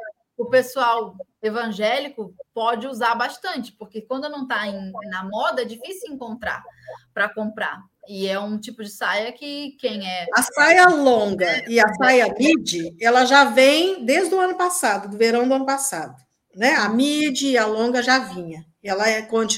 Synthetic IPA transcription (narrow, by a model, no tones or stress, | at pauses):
ʊpesuawevɐ̃ʒɛlikʊpɔd͡ʒɪuzaɾbaʃt̪ɐ̃nt͡ʃɪ̥poɾkekwɐ̃nd̪ʊnɐ̃w̃t̪aẽnɐmɔd̪ɐɛd͡ʒifisijʊẽŋkõnt̪ɾa̰pɾɐkõmpɾa̰ | ɪɛũt͡ʃipʊd͡ʒɪsajɐkɪkẽj̃ɛɐsajɐlõɡɐɪɐsajɐmid͡ʒɪɛlɐʒavẽj̃d̪eʒd̪ʊɐ̃nʊpasad̪ʊd̪ʊveɾɐ̃w̃d̪ʊɐ̃nʊpasad̪ʊ | nɛɐmid͡ʒɪalõɡɐʒavĩɲɐ | ɛlɐɛkõt͡ʃ